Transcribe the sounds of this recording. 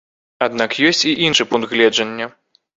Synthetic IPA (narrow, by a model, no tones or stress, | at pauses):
ad̪nakjɔsʲt͡sʲiʔinʂɨpund̪ɣlʲɛd͡ʐɐnʲːɐ